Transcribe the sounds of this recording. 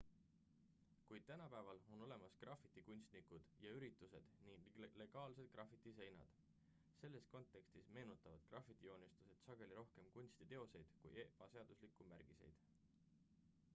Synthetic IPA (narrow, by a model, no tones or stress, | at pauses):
kujd̪̥̚t̪ænɑpævɑlo̞no̞le̞mɑskrɑfit̪ˑːikunʲst̪nikud̪̥jɑyɾit̪ːˑuse̞d̪̥niŋle̞ɡ̥ɑːlse̞d̪̥̚krʔɑfit̪ːˑise̞jnɑ̰d̪̥ | se̞lːe̞sko̞nt̪ːˑe̞kst̪isme̞ːnut̪ːˑɑvɑd̪̥krɑfit̪ːˑio̞ːnist̪u̥se̞d̪̥sɑɡ̥e̞liɾo̞hke̞mkunʲst̪it̪e̞o̞se̞jd̪̥kṵjeb̥ɑse̞ɑd̪uslikːˑumæɾɡ̥ise̞̰jd̪̥